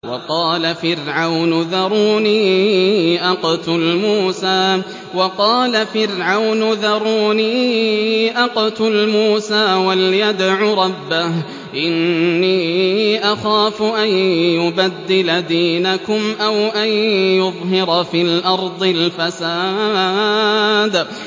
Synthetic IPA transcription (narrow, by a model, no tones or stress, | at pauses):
wɑ̰qɑːlafɪɾʕawnʊðɑɾˤuːniː | ʔɑqt̪ʊlmuːsaː | wɑqɑːlafɪɾʕawnʊðɑɾˤuːniː | ʔɑqt̪ʊlmuːsaːwaljad̪ʕʊɾˤɑbːah | ʔɪnːiːʔaxaːfʊʔanjʊbad̪ːɪlad̪iːnakʊmʔawʔanjʊðˤɦɪɾfiːlʔɑɾˤd̪ˤɨlfasaː | d̪